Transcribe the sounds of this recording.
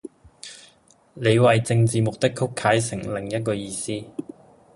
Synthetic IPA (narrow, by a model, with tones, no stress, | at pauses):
le˨˧jwɐ˨jt͡sɪ˧ŋt͡siː˨mʊ˨k̚t̪ɪ˥kʰʊ˥kʰːaː˨˥js̬ɪ˨˩ŋlɪ˨˩ŋjɐ˥t̚kɔː˧jiː˧siː˥